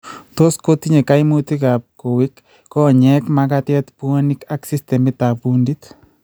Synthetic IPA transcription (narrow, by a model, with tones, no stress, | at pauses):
to˦skoti˦ɲe˨ka˦imu˦ti˦kap̚ko˨wi˦kː | ɔ˦˨ɲɛ˦kmakatjɛ˦tpu˦o˦nika˦ksi˦stɛ˨mi˦tapundit